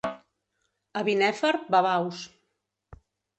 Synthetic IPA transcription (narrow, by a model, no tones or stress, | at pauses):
əβinɛfəɾ̚baβaws